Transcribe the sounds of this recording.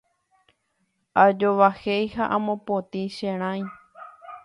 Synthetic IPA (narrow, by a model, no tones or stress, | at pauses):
ad͡ʒoʋahejhaʔãmõpot̪iʃẽɾ̃ãj̃